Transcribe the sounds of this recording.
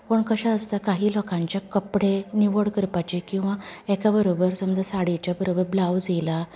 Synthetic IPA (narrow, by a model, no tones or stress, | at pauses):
pəɳkəɕaəst̪akaɦiːlɔkãɲt͡ɕjakəpɽeniʋəɽkəɾpat͡ɕekĩw̃ʋaɛkabəɾobəɾsəmd͡zasaɽit͡ɕjabəɾobəɾblawd͡zela